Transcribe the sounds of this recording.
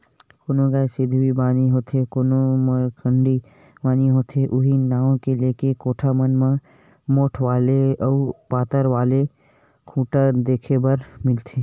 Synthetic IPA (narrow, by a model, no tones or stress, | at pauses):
koːnõɡaːesɪd̪ʱwibaːniɦoːt̪ekoːnoməɾkʰəɳɖi | baːniɦoːt̪ʰeʔʊɦinaːõkeleːkekoːʈʰamənmã | moːʈʰʋaːleɔːpaːt̪əɾʋaːle | kʰuːʈəd̪eːkʰebɐɾmɪlt̪ʰeː